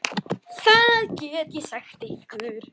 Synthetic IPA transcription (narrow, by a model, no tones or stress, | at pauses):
θaðcɛːt̪jɛsaxt̪ɪhkʏɾ̥